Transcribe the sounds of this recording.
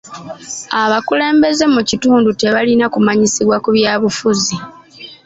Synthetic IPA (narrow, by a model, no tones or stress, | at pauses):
aβakule̞ːmbe̞ze̞mucituːndute̞βalinakumaɲisiβwakuβjaːβufuzi